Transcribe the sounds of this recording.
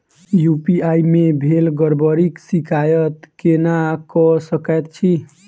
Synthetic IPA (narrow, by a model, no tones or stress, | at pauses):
jupiajmebʱelɡəɾbəɾiksikʰajət̪kenakɔsəkəjt̪̚t͡ʃʰi